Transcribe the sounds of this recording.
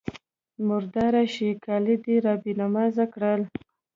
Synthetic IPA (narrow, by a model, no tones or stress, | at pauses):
mʊɾd̪ɑɾaʃikɑlid̪iɾɑbinamɑzakɽəl